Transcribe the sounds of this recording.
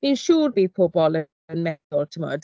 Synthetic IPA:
ð̥inʃuːrðifʰobɔlˠə | ənmɛðʊlˠtʰəmɔ̰d

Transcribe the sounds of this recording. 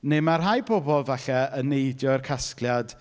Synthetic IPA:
nemarɦajpʰɔbɔlˠvaɬɛənejdjɔərkʰaskljad̥

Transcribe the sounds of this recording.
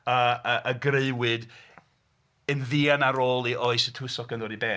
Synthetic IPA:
əəʔəɡreɨwɨd | ənðiːanaɾoːlˠiʔoɨsətʰʊsɔkəndɔdibeː

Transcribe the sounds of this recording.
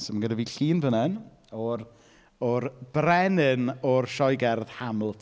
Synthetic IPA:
sɔmanɡədaviːɬiːnvənɛn | ɔr | ɔrb̥rɛnɨnɔrʃɔjɡɛrð̥hamlˠtʰ

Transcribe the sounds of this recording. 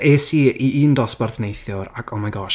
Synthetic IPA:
esiːiʔiːndɔsb̥arθnejθjʊɾakʰɔmajɡɔʃ

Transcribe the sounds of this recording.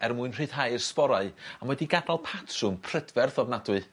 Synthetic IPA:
ɛrmuɨnr̥ɨːd̥ɦajrspɔɾaɨamwɛdiɡadalˠpʰatʰrʊmpʰr̥ədvɛrθɔvnadwɨ

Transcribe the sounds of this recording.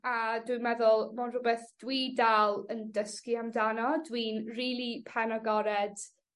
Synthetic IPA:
adwimɛðʊlˠmonrʊbɛθd̥wiːdalˠəndəskiamdanɔdwiːnriːlˠipʰɛnɔɡɔɾɛd̥

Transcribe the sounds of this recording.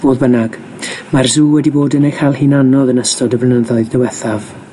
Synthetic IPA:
b̥oːðbənaɡ̥ | marzuːwɛdiboːdənejkʰajlˠhinanɔðənəstɔdəblənəðɔɨðdɛwɛθav

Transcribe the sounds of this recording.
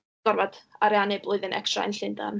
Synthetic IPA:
ɡ̥ɔrvad̥aɾɛanɪblˠʊɨðənʔɛ̰kstra̰ə̰nɬɪnda̰m

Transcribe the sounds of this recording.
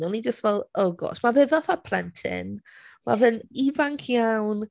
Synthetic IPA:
ɔnid͡ʒəstvɛlˠəɡɔ̰smavɛðaθapʰlɛntʰɪ̰nma̰vɨnivaŋkʰjawn

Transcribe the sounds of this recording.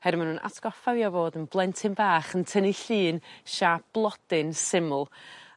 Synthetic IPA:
hɛɾmanuːnʔa̰tʰɡ̥ɔfavjɔvoːdənblˠɛntʰɪnbaːχəntʰəniɬɨːnʃab̥lˠɔd̥ɪnsɪmʊlˠ

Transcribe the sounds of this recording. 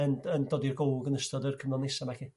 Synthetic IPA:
ənəndɔdirɡolɡənəstɔdərkʰəmlˠɔnesamakʰi

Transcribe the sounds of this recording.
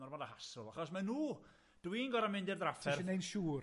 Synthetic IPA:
ɔrmɔdahasʊlˠaχɔsmanuː | d̥winɡɔɾamɪndɪrdrafɛɪnejnʃuːr

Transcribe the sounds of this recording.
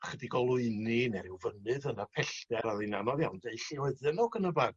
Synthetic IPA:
χədiɡɔlˠʊɨninɛɾɪwvənɨðənapʰɛɬd̥ɛɾaðejnanɔðjawndejɬiwɛðɨnɔɡənəbad

